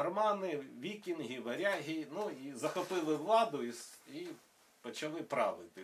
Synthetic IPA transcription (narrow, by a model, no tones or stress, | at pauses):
ɐrmɑnɪʋʲikʲinɦʲiʋɐɾʲaɦʲinuizɐxɔpɪlˠɪʋlˠɑd̪ʊisi | pɔt͡ʃɐlˠɪpɾɑʋɪt̪ɪ